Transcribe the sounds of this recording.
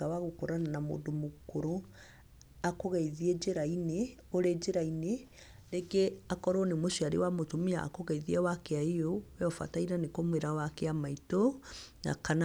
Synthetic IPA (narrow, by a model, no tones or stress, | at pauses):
awaɣokoɾananamo̰ːdomokoɾo | akoɣɛiðied͡ʒeɾaine | oɾed͡ʒeɾaine | ɾeɡeakɔɾɔnemoʃiaɾḛwamotomia̰ːkoɣɛiðiɛwakeaejowɛɔfa̰taiɾanekomweɾawakeamaitona̰kana